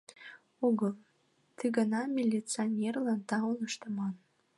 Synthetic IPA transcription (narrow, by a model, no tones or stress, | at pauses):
uɣəlˠ | t̪ɯɡənɑmʲilʲit͡sonʲerlɑnt̪ɑunəʃt̪əmɑn